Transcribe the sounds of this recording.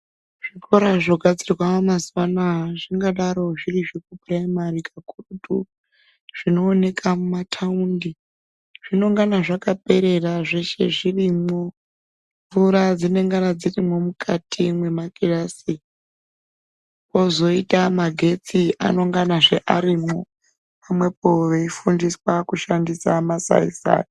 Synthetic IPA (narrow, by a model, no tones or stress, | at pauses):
ʐ̥iko̞ɾaʐoɡʱad͡zirwamamaswanaʐiŋɡaɗaɾo̞ʐiriʐekupraimarikʰakurutu | ʐ̥ino̞ːne̞kʰamumatʰaundi | ʐ̥ino̞ŋɡanaʐakape̞ɾe̞raʐeʃe̞ʐirimo̞ | ɱvuɾad͡zine̞ŋɡanad͡zirimo̞mukʰatʰimwe̞makirasi | po̞zo̞itamaɡʱe̞t͡siʔa̰no̞ŋɡanaʐe̞ʔaɾimo | pamwe̞poʋeifundiswakuʃandisamasa̰ḭsa̰ː